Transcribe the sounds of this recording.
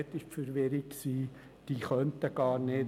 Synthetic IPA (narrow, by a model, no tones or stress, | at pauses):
t̪ːɪʃfəɾʋɪɾikksiː | d̥iːχœnt̪əɡ̥ɑːɾne